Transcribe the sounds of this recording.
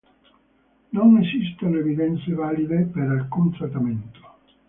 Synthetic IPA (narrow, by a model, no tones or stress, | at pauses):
nonesist̪olevid̪ɛnt̪sevaːlid̪epeɾalkunt̪ɾat̪ament̪o̥